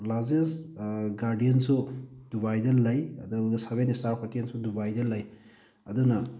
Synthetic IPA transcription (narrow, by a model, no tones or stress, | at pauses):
lazesɡaɾdijensudubajdɐnlːɐjɐdusabenistaɾkʰatiensudubajdɐlːɐj | ɐdunɐ